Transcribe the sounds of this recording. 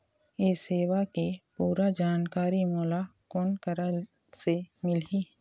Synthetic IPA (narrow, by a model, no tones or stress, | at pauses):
eːseːwakepuːɾad͡ʒaːnkaːɾimɔːlakoːnkəɾa | semɪliː